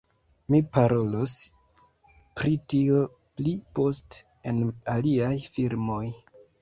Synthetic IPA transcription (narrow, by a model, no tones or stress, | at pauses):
mipaɾo̞los | pɾitio̞ | plipo̞st | enaliajfiɾmo̞j